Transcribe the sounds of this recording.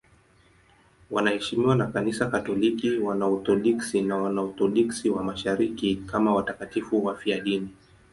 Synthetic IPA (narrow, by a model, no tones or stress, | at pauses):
wanahɛʃimiwanakanisakatɔlikiwanaut̪ɔɗiksinawanaut̪ɔɗiksiwamaʃaɾikikamawatakatifuwafiaɗini